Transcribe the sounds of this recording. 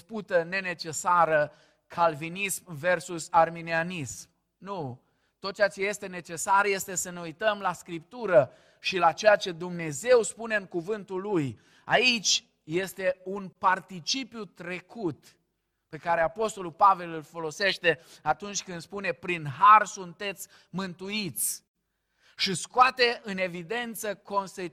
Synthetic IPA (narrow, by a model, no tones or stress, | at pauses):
sput̪əne̞ne̞t͡ʃe̞saɾə | kʰalvinismve̞rsusarminianism | nu | t̪ːot̪̚t͡ʃejat͡ʃe̞je̞st̪e̞ne̞t͡ʃe̞sarje̞st̪e̞səne̞ujt̪əmlaskɾip̚t̪uɾə | ʃilat͡ʃejat͡ʃe̞d̪umne̞ze̞wspune̞ɨŋkuvɨnt̪ulːuj | ait͡ʃʲ | je̞st̪e̞unpart̪it͡ʃipjut̪ɾe̞kut̪ | pe̞kaɾe̞apo̞st̪o̞lulpave̞lɨlfo̞lo̞se̞ʃt̪e̞at̪unt͡ʃʲkɨnd̪spune̞pɾinɦarsunt̪e̞t̪sʲ | mɨnt̪uit̪sʲ | ʃiskoat̪e̞ʔɨne̞vid̪e̞nt̪səko̞nse